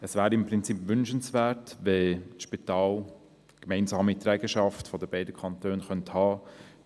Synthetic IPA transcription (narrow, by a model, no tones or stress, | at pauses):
əsvæːɾiɪmpɾɪnt͡sipʋʏnʃənsʋɛːɾtʋetʃpitɑːl | kmɛɪnsɑːmit̪ɾɛɡəʃɑftfɔdəb̥ɛɪdəkʰɑntøːnχœnthɑː